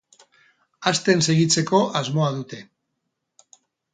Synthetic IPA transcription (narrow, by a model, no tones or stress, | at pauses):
ast̪e̞nse̞ɣit͡se̞ko̞ʔazmo̞aðut̪e̞